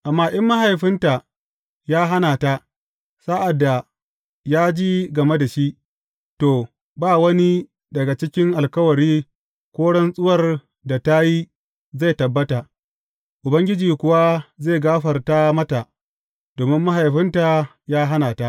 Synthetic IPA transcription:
ʔa˨mːaː˦ʔɪ˦mːa˦ɦa˨jɸɪ˦nta˨ | jaː˦ɦa˦naː˨ta˦ | sa˦ʔa˨dːa˨ | jaː˦d͡ʒi˦ɡɐ˨me˦da˨ʃi˦ʔ | toː˨ | baː˦˨wɐ˦ni˦ | dɐ˨ɡa˨t͡ʃɪ˦kʲɪ˦ŋʔa˨lkɐ˦wɐ˨ɽiː˦ | kʷoː˦ɽɛ˦nsʼʊ˦wɐ˨r | da˨ta˦ji˦ | za˦˨jtɐ˨bːɐ˦ta˨ | ʔʊ˨bɐ˦ŋɡʲɪ˦d͡ʒiː˨kʷʊ˨wa˦zeː˦˨ɡaː˦ɸɐ˨rta˦mɐ˦ta˨ | doː˨mɪ˦mːa˦ɦa˨jɸɪ˦nta˨ | jaː˦ɦa˦naː˨ta˦ʔ

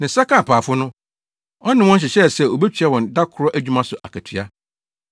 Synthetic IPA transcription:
nã˨sa˦kʰã˨pʰaː˨fʊ˦nʊ̃˦ | ɔ˦nɪ̃˨wɔ̃˦n̩˦ɕ̬ɪ˨ɕɛ˦˨sɛ˦˨o˨be˦tʰɥɛ˦wɔ̃˨nda˦kʰʊ˨ɾɔ˦ʔæ˦˨d͡ʑᶣu˦mã˦sʊ˨ʔa̰˨kʰæ˨tʰi˨a˦

